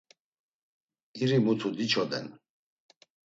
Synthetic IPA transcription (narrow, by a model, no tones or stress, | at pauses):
iɾimut̪ʰud̪it͡ʃʰɔd̪ɛ̰n